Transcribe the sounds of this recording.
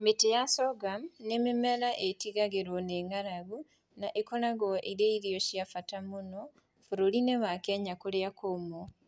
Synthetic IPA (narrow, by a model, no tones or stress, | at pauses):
metejasɔɡamnememɛɾaʔetiɣaɣeɾwɔneŋaɾaβu | naʔekonaɣɔʔeɾeiɾijoɕjafatamono | fuɾolineβakɛɲakoɾeakomo